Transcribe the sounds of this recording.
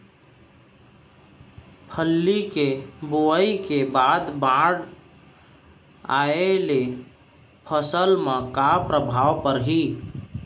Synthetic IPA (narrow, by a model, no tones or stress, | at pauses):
pʰəlːikeboəikebaːd̪bãɽ | a̰ele | pʰəsəlmẽkapɾəbʱaːʋpəɾɦiː